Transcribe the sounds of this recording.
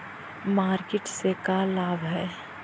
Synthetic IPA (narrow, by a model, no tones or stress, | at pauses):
maːɾkɪʈsekalaːbʱɦɛː